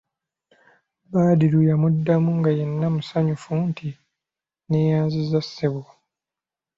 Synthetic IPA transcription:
baːdilujamudːamuŋɡajenːamusaɲufuntʰi | neːjaːnzizasːeβwo

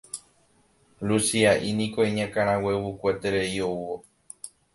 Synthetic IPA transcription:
lusiaʔinĩkoeɲãkãɾ̃ãwe̞βukʷet̪eɾeiouo

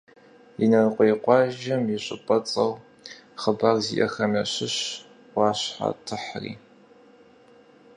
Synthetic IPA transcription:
inɐrqʷʼejqʷɑːʒɐmjɪɕʷʼɪpʼɐt͡sʼɐw | χəbarzḭʔɐ̰xɐmɐɕɪɕ | wɑːɕħa̰tʰɨħrḭː

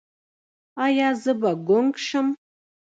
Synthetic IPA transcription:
ajazɨbaɡʷʊnkʼʂɨm

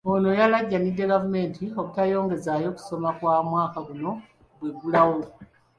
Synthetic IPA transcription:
ono̞jalaɟːanidːe̞ɡavume̞ntʰio̞βutajo̞ːŋɡe̞zajo̞ku̥so̞makwaːmwaːkaɡuno̞ | βweɡulawo

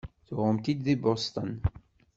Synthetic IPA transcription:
θʊʁəmt̪id̪ðibɔst̪ən

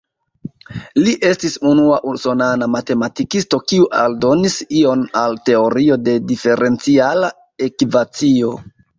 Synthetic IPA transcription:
liʔe̞stisunuaʔuso̞nanamate̞matikisto̞kiuʔaldo̞nisio̞nalte̞o̞ɾio̞de̞dife̞ɾʔe̞nt͡siala | ekivat͡sio̞

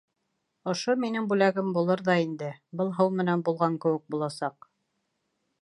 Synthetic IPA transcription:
ŏʃominɘŋbʉlæɡɘmbulˠɤɾðɑind̪ɘbɤlˠɦɤwmɘ̆nænbulˠʁɑŋkɘ̆wɘ̆k̚bulˠɑsɑq

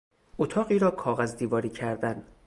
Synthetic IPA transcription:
ʔot̪ʰɒːɣiːɾɒːkʰɒːɣæzd̪iːvɒːɾiːcʰæɾd̪æn

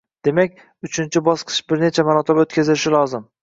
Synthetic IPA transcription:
d̪̥e̞makʲ | ʊt͡ʃʰɪnt͡ʃʰɪbɒsqʰɨ̥ʃbɪɾne̞t͡ʃʰamaɾɒt̪ʰabot̪kʲazɪlɪʃɪlˠɒzɪm

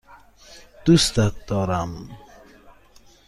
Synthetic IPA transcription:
d̪̥ust̪at̪̚d̪ɔɾam

